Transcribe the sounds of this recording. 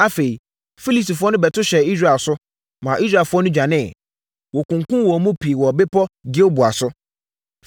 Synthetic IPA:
a˦fe˨i˨ | fi˦li˨sti˨fʊ˦ɔ˦nʊ̃˦bɛ˨tʰʊ˦ɕɛ˨i˦s̬ɾa˦˨ɛ˨lsʊ˦ | mã˨ʔi˦s̬ɾa˦˨lfʊ˦ɔ˦nʊ̃˦d͡ʑᶣã˨nɪ̃˦˨ | wɔ˨kʊ̃˨ŋkʊ̃˦wɔ˨mũ˦pʰi˨wɔ˨bɪ˦pʰɔ˦ɡi˦o˦bʊ˨a˨sʊ˦

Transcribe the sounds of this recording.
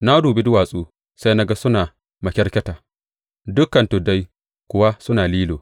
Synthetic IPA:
na˦duː˨bi˦dʊ˦waː˨sʼuː˦ | sa˦jna˦ɡa˦sʊ˦naː˨ | mɐ˨kʲɛ˦ɾkʲɛ˦taː˨ | dʊ˦kːɐ˨ntʊ˨da˦j | kʷʊ˨wa˦sʊ˦naː˨liː˦loː˨

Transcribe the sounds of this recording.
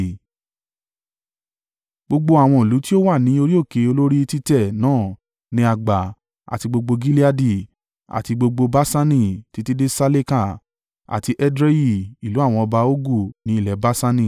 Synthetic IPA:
ɡ͡bo˧ɡ͡bo˧a˨w̃ɔ̃˧i˨lu˨˦ti˦o˦wa˦˨nĩ˨˦o˧ɾi˦o˦˨ke˨˦o˧lo˦ɾi˦˧ti˦tɛ˦˨nãː˦˨ | nĩ˧˦a˧ɡ͡ba˨ | a̰˨ti˧ɡ͡bo˧ɡ͡bo˧ɡi˦li˦a˦di˦˨ | a̰˨ti˧ɡ͡bo˧ɡ͡bo˧ba˦sa˦nĩ˦˨ti˧˦ti˦de˦sa˧le˦ka˦˨ | a̰˨ti˧ʔɛ˦dɾe˦ji˦˨i˨lu˨˦a˦˨w̃ɔ̃˧ɔ˧ba˧o˦ɡu˦˨nĩ˨˦i˦˨lɛ˨ba˦sa˦nĩ˦˨

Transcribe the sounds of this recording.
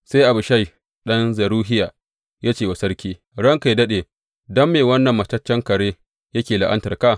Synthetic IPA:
sa˦jʔa˨bʊ˨ʃa˦˨j | ɗɐ˦nzɐ˨ɾuː˦ɦɪ˦jaː˨ | jaː˦t͡ʃeː˨wɐ˨sɐ˦rkʲiː˦ | ɽɐ˦ŋka˨dɐ˦ɗeː˨ | dɔ˦mːeː˨wɐ˦nːɐ˨mːɐ˨tɐ˦t͡ʃːɐ˦ŋkɐ˨ɽeː˦ | jɐ˦kʲeː˨la˨ʔɐ˦ntɐ˨rka˦˨

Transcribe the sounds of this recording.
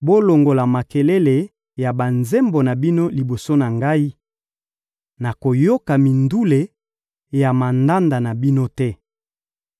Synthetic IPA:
bo˦lo˨ŋɡo˨la˨ma˨ke˨le˦le˨ | ja˨ba˨nze˦mbo˨na˨bi˦no˦li˨bo˨so˦na˨ŋɡa˦i˦ | na˨ko˨jo˦ka˨mi˨ndu˦le˨ | ja˨ma˨nda˦nda˨na˨bi˦no˦tɛ˦

